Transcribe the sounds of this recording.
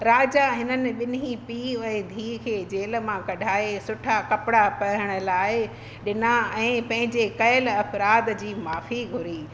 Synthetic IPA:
ɾaːd͡ʑaɦɪnənɪ̆ɓɪnipiːɛ̃d̪ʱiːkʰeːd͡ʑeːl̆mãkɐɖʱaːesʊʈʰakɐpɪɽapɐəɽ̃ə̆laːɪ | ɗɪnaɛ̃ːpɐ̃ɦɪ̃ɲd͡ʑekɐəlɐfɾaːd̪d͡ʑiːmaːfiɡʱʊɾiː

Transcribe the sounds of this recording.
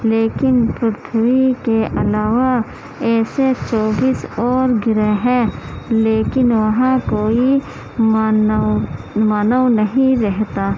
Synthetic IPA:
leːkɪnpɾʊt̪ʰwikeʔɐlaːʋa | ɛːset͡ʃɔːbiːsɔːɾɡɪɾeɦɛ̃leːkɪnʋɐɦãkoːi | maːnəwnɐɦĩɾɛɦt̪aː

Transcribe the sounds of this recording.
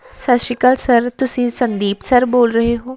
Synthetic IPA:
sɐʃikəlsɐɾt̪ʊsĩːsɐ̃nd̪iːpsɐɾboːlɾɐɦeɦoː

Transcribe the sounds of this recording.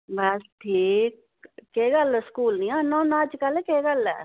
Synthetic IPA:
bɐsʈʰiːk̚ː | eːɡɐlɛskuːlnianonaːd͡ʒkɐlekeːɡɐlɛ̰

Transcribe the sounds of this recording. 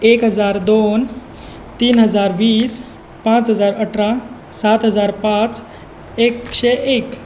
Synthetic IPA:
ekɦəd͡zaɾd̪on | t̪iːnɦəd͡zaɾʋiːs | pãt͡sɦəd͡zaɾəʈʰɾa | sat̪ɦəd͡zaɾpãt͡s | ekɕeʔek

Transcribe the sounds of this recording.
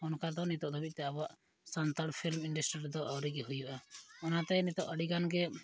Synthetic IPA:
ɔnkad̪ɔnit̪ɔʔd̪ɔbit̪̚ˀt̪ɛabɔaʔ | sant̪aɽpʰilminɖasʈɾiɾd̪ɔʔawɾiɡɛɦujuʔaɔnat̪ɛnit̪ɔʔəɽiɡanɡɛ

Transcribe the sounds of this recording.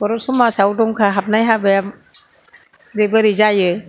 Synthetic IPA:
bɔɾɔsumasawdɔŋkʰaɦap̚najɦabajam | ɾebɯɾizajɯ

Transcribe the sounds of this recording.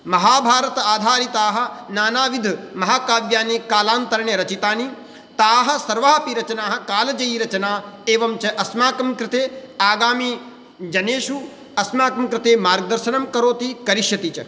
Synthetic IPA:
mɐɦaːbʱaːɾɐt̪ɐaːd̪ʱaːɾit̪aːɦɐ̆naːnaːʋid̪ʱmɐɦaːkaːʋjaːnikaːlaːnt̪ɐɾɐɳeɾɐt͡ʃit̪aːni | t̪aːɦɐ̆sɐɾʋaːpiɾɐt͡ʃɐnaːɦɐ̆kaːlɐd͡ʒɐjiɾɐt͡ʃɐnaːeːʋɐmt͡ʃɐʔɐsmaːkɐmkɾɪt̪eːaːɡaːmi | d͡ʒɐneːʃu | ɐsmaːkɐmkɾɪt̪eːmaːɾɡ̚d̪ɐɾʃɐnɐmkɐɾoːt̪ikɐɾiʃjɐt̪it͡ʃɐ

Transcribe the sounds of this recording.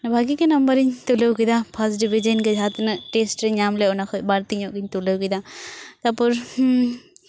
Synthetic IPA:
nɐbʱaɡikenɐmbəɾiɲt̪ulewkid̪apʰɐsɖibʱid͡ʒənked͡ʒʱat̪nɨʈesʈɾeɲamleɔnakʰojbaɾt̪iɲɔʔkiɲt̪ulewkid̪at̪apuɾ

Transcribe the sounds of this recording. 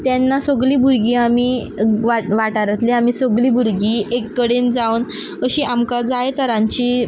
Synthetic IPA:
t̪janːasɔɡliːbʱuɽɡiːami | ʋaʋaʈaɾat̪leamisɔɡliːbʱuɽɡiːekːəɽend͡zawn | əɕiʔamkad͡zajt̪əɾãɲt͡ɕiː

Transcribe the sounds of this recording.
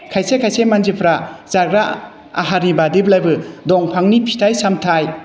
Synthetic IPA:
kʰajsekʰajsemand͡ʒipʰɾaz̥aɡɾa | a̰ɦaɾibadiblajbɯdɔŋpʰaŋnipʰi̥tʰajsamtʰaj

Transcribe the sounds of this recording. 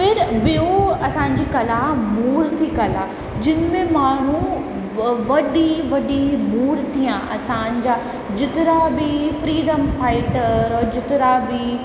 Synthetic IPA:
pɪɾɓioɐsãːɲd͡ʑiːkɐlamuːɾt̪ʰikɐla | d͡ʑɪnmẽmaːɳ̤̃u | ʋɐɗiʋɐɗimuːɾt̪ʰijãʔɐsãːɲ̆d͡ʑaː | d͡ʑɪt̪ɪɾabɪfɾiːɖəmfaːɪʈəɾɔːd͡ʑɪt̪ɪɾabɪ

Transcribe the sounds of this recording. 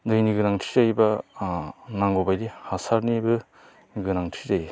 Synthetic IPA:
dɯjniɡɯnaŋtʰiɾajba | naŋɡobajdihasaɾnibɯ | niɡɯnaŋtʰidaj

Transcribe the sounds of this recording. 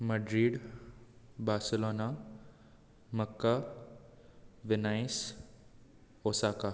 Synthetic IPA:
mɐɖɾiːɖ | baːɾsɪloːna | mɐkːa | ʋɪnaːis | oːsaːka

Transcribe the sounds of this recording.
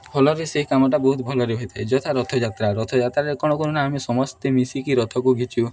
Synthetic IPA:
bʰʱɔlɔɾeseɦikamɔʈabɔɦut̪bʱɔlɔɾeɦojt̪ʰed͡ʒɔt̪ʰaɾɔt̪ʰɔd͡ʒat̪ɾaɾɔt̪ʰɔd͡ʒat̪ɾaɾekɔɽ̃ɔkunɔnaamisɔmɔst̪emisikiɾɔt̪ʰɔkuɡʱit͡ʃʰu

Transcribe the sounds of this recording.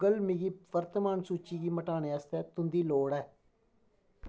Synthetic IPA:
əlmiɡiːʋəɾt̪əmaːnsuːt͡ʃiːɡiːməʈaːneːəst̪ɛːt̪ʊnd̪iːloːɽɛː

